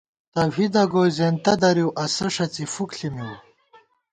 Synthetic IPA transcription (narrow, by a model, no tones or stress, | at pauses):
t̪ɐvid̪ɐɡoːjzent̪ɐd̪ɐɾiwʔɐsɐʂɐt͡sifukɬimiw